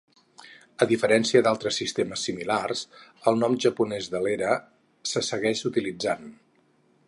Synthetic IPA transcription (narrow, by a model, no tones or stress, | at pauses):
əðifəɾɛnsiəd̪alˠt̪ɾəsːist̪eməsːimilarzəlˠnɔmʒəpunɛzðəleɾə | səsəɣɛʃut̪ilid͡zan